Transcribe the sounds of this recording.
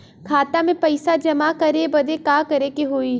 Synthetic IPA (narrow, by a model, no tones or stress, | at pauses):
kʰaːt̪amẽpɐɪsad͡ʒɐmakɐɾebɐd̪ekaːkɐɾekeɦoːi